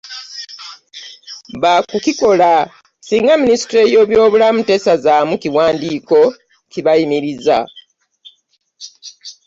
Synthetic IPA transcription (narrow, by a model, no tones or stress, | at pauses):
βakukiko̞la | siːŋɡaminisi̥tɾe̞jo̞ːβjo̞ːβulamute̞sazaːmukiwaːndiːko̞ | ciβajimiɾiza̰